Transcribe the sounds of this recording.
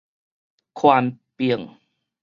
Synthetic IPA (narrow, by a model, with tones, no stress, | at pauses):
kʰwaː˧mpi˧˩ə˩ŋ